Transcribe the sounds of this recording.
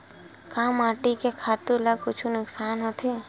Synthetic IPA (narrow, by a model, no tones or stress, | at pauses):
kaːmaːʈikekʰaːt̪ulakʊt͡ʃʰunʊksaːnɦot̪ʰeː